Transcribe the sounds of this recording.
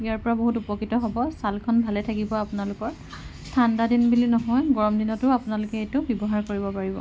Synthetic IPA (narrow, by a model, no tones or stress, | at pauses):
ijaɹpɔɹaboɦutupɔkitɔɦɔbɔsalkʰɔnbʱalɛtʰakibɔapʊnalʊkɔɹ | stʰandadinbulinɔɦɔjɡɔɹɔmdinɔtʊapʊnalʊkɛetʊbjɔbɔɦaɹkoɹibɔpaɹibɔ̰